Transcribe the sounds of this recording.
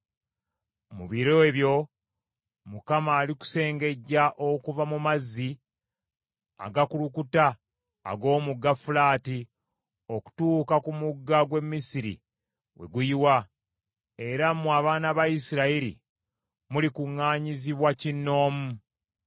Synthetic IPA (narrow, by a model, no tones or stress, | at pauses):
mṵβiɾo̞eβjo̞ | mukamaːliku̥se̞ːŋɡe̞ɟːaʔo̞kuvamumazːi | a̰ɡakulukuta̰ː | ɡo̞ːmuɡːafulaːti | o̞ku̥tuːkakumuɡːaɡwe̞mːisiɾḭ | we̞̰ɡujiwa | e̞ɾamːuaβaːnaβajisiɾaiɾḭ | mulikuŋːaːɲiziβwacinːo̞ːmu